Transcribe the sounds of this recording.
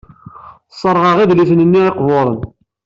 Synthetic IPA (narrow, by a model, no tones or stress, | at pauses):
sˤːəɾˤʁɑʁiðliθənənːieqvoɾˤən